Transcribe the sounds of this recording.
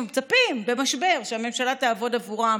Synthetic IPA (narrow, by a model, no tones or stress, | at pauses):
mt͡sapimbe̞maʃbe̞ʁʃeame̞mʃalat̪aːvo̞davuʁa